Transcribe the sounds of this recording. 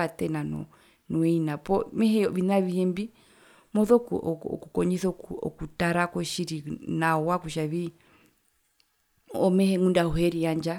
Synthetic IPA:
atɛnanɔ̰ | nɔɛinapɔmɛhɛβinaβihɛmbi | mɔðɔkɔ̰kukɔɲisɔ̰kutaɾakɔʃiɾinaɔwakuʃaβi | ɔmɛhɛŋundahuhɛɾiaɲd͡ʒa

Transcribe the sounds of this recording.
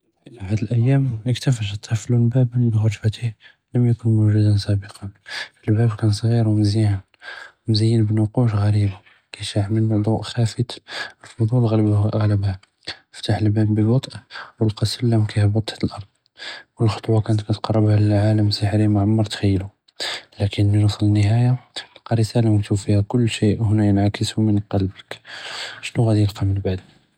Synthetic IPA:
ihæd̪əlʔæjːæməkt̪æfæʃət̪ʰːəflunbæbənbəxɑt̪fæt̪ih | ləmjækʊnmuʒud̪ənsæbəqɑnəlbæbkænsˤɣiɾwmziʕan | mzəjːənbənʊquʃɣæɾib | kæʃaʕməld̪ˤuʔxæfət̪əlfʊd̪ˤulɣɣæləbhæ | əft̪aħəlbæbbəwɑt̪ˤʔwəlqɑsəlːæmkæjhæbɑt̪ˤhæt̪əlʔɑɾˤd̪̥ˤ | wəlxo̥t̪ˤwɑkænət̪kæt̪qɑrˤːɑbhælʕaləmsəħɾimaʕamːɑɾˤt̪xəjːlu | lækənlinɑsˤlənːəɦæjaqɑɾəsælamkt̪ufihækʊlːʃiʔwhʊnæjənʕakəsumənqɑlbək | ʃnuɣæd̪ilqɑmənbaʕd̪

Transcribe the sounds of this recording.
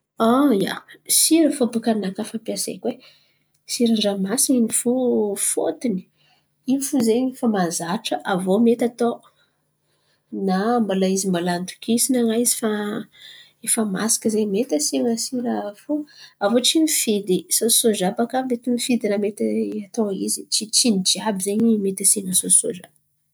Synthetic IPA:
aja̰siɾəfobukanakafampjasḛkwe | siɾaɳɖ͡ʐamasiinifufo̰t̪ini̥ | iifuzefamazaʈ͡ʂəʔavomet̪at̪o | nambalaizimbalant̪u̥kʰisinaŋajzi̥fa | efəma̰si̥kəzemet̪asiŋəsiɾafuavot͡sinifid̪isosozapakavd̪et̪imifid̪inamet̪iat̪oḭzit͡sit͡sinid͡ʒiabizeɲimet̪asiŋəsoso̰za

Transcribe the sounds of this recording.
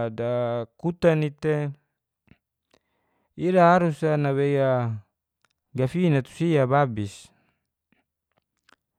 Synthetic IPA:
dakut̪anit̪e | idaɦaɾusanaweja | ɡafinat̪u̥siababis

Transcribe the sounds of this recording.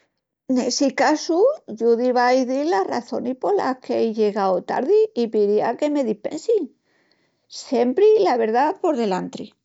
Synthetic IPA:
ne̞sikasuʝuðiβajðilara̰θo̞̰nihpo̞ɾla̰hkeejʝe̞ɣawt̪a̰ɾðiːpiɾiake̞me̞ðihpe̞̰nsi | sje̞mpɾilaβe̞ɾðapo̞ɾðe̞lant̪ɾi

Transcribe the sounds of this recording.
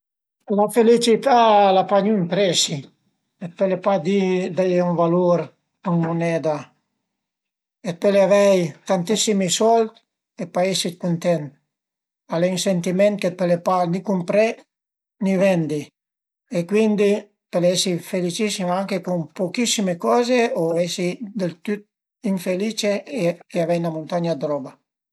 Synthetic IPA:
lafelit͡ʃit̪alapaɲuimpɾɛsi | et̪̚pelepad̪id̪ajuɱvaluɾ | kunmunɛd̪a | et̪̚peleavɛjt̪ant̪isimisɔlt̪ | epaesit̪kunt̪ɛnt̪ | alensent̪imɛnt̪̚ket̪̚pelepanikumpɾɛ | nivɛnd̪i | ekwind̪i | pelɛsifelit͡ʃisimaŋkekumpokisimekɔːzeoɛsid̪elt̪yt̪̚ | iɱfelit͡ʃeekeavɛjnamunt̪aɲad̪ɾɔba

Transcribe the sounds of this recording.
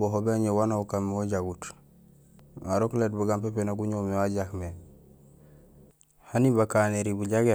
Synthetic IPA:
boɦobeaɲewanaukamːeoɟaɡut | aɾoklet̚buɡampepenaɡuɲomewaɟakme | hanibakaːneɾibuɟaɡe

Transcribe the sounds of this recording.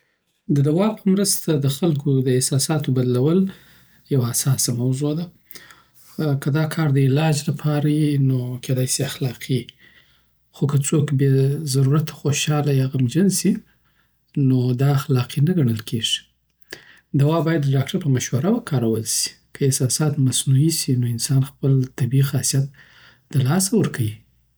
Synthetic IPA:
d̪əd̪awɑpʰəmɾəst̪ad̪əxalkod̪əesɑsɑt̪obad̪lawəl | jawaːsɑsamawzod̪a | kəd̪ɑkʰɑɾd̪əɪlɑd͡ʒlapʰɑɾajinokʰed̪ɑjsiaxlɑqʰi | xokət͡sokbjezaɾuɾat̪ʰḁxoʃɑlajaɣamd͡ʒənsi | nod̪ɑːxlɑqinaɡaɳ̃əlkʰeʐi̥ | d̪awɑbɑjad̪ːəɖɑkʈaɾpəmaʃwaɾawakʰɑɾawəlsi̥ | kʰəɪsɑsɑt̪masnuisinoɪnsɑnxpəlt̪abixɑsijat̪̚ | d̪̥əlɑsawəɾkʰawi

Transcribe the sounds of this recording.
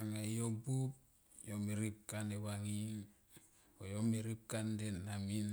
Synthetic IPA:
aŋajobup | jomiɾip̚kanewaŋiŋ | ojomiɾip̚kandenːamin

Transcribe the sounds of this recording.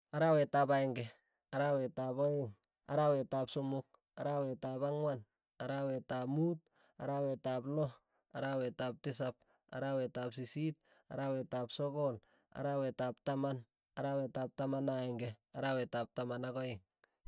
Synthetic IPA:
aɾawetapajŋɡe | aɾawetapoiŋ | a̰ɾawetapsumuk̚ | aɾawetapaŋwan | aɾawetapmut̚ | a̰ɾawetapno | aɾawetap̚tis̬ap̚ | a̰ɾawetap̚sisit̚ | a̰ɾawetapsoɡol | a̰ɾawetap̚taman | aɾawetap̚tamanaeŋɡeaɾawetap̚tamanaɡoiŋ

